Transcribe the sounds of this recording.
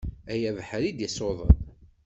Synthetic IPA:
æjævħɾid̪jəsoðˤə̰n

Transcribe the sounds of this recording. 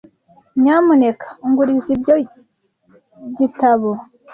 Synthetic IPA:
mɲaːmunekʰḁuŋɡuɾizibɟo | ɟitaβo

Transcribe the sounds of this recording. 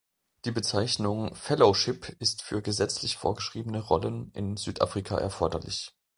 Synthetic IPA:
d̥iːbət͡saɪçnʊŋfɛloʃɪpʰɪstfyːɐɡəzɛt͡slɪçfo̰ːɐɡəʃʁ̥iːbənəʁɔlənʔɪ̰nzyːtʔa̰fʁ̥ikʰa̰ʔɛ̰ɐfɔɐdɐlɪ̰ç

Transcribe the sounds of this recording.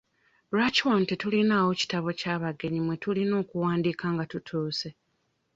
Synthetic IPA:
ɾat͡ʃontetulinaːwo̞ci̥taβo̞caːβaɡe̞ɲimwe̞tulino̞ːkuwaːndiːkaŋɡatutʰuːse̞

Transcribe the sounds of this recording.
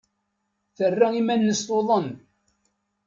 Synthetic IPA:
θərːaimænːəst̪oðˤən

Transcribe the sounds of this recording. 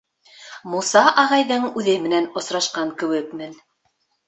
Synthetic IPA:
musɑʔɑʁɑjðɤɴʉðɘmɘ̆nænŏsɾɑʃqɑŋkɘ̆wɘkmɘn

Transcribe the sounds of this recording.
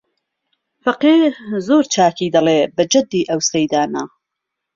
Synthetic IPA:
fɐqiːɾzoːɾt͡ʃʰaːkiːd̪ɐlebɐd͡ʒɐd̪ːiːʔɐwsɐjd̪aːna

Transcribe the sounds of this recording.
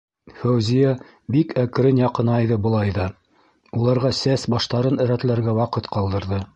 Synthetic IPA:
fæwzijæ | bikʰækɘ̆ɾɘnjɑqɤ̆nɑjðɤbɤ̆lˠɑjðɑ | ulˠɑɾʁɑsæsbɑʃt̪ɑɾɤnɘ̆ɾæt̪læɾɡæwɑqɤt̪qɑlˠd̪ɤ̆ɾðɤ

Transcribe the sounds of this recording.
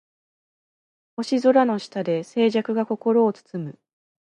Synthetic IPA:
ho̞ɕizo̞ɾano̞ɕi̥t̪ad̪e̞se̞ːʑakɯ̟ɡako̞ko̞ɾo̞ːt͡sɨ̥t͡sɨmɯ̟

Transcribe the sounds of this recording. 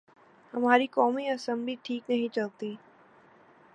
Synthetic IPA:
hɐmaːɾikɔːmiɐsə̃mbliʈʰiːknɐɦĩt͡ʃɐlt̪iː

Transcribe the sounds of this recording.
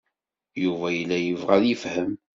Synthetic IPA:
juvæjəlːæjəvʁælifhəm

